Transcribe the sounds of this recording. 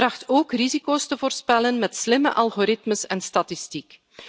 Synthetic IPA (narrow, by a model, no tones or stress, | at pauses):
rɑxtoːkrizikoːstəvoːrspɛlənmɛtslɪmə̰ʔɑlˠɣoːɾɪtməsɛnstɑtɪstik